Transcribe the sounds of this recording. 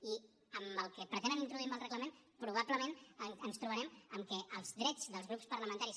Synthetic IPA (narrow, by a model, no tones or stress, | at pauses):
i | əməlˠkəpɾət̪enənint̪ɾuðuimbəlˠrəɣləmen | pɾuβ̞apləmenənst̪ɾuβ̞əɾɛməmkɛʔəlˠzðɾɛd͡zðəlˠzɣɾupspəɾləmənt̪aɾis